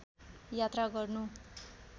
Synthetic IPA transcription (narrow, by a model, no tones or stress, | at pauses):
jat̪raɡʌrnu